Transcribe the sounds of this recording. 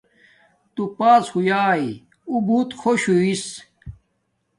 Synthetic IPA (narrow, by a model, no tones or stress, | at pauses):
t̪upaːshujaːi | ubuːt̪xʰoɕuis